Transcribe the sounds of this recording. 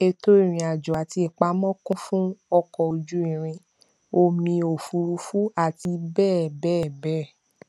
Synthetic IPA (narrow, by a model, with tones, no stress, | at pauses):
e˧to˦i˦˨ɾ̃ĩ˨a˨d͡ʒɔ˨a˨ti˧e˨k͡pa˧˦mɔ̃˦kũ˦fũ˦ɔ˧kɔ˨o˨d͡ʒu˦i˦˨ɾ̃ĩ˧ | o˦mĩ˧o˨fu˧ɾu˧fu˦a˦˨ti˧bɛː˦˨bɛː˦˨bɛ˦˨